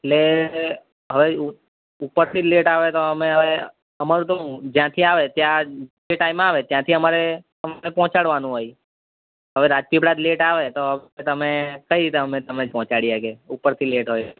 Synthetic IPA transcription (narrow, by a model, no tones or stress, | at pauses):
eʈle | ɦəʋe | upːəɾt̪ʰileʈaʋet̪oəmeɦəʋe | əmaɾũt̪əũd͡ʒjãt̪ʰiaʋet̪jãd͡ʒeʈaimaʋet̪jãt̪ʰiəmaɾe | əmnepɔ̃ːt͡ʃaɽʋanũɦoj | ɦəʋeɾad͡ʒpibɽad̪leʈaʋet̪oɦəʋt̪əmekəiɾit̪eəmet̪əmned͡ʒpɔ̃ːt͡ʃaɽiakeupːəɾt̪ʰileʈɦoj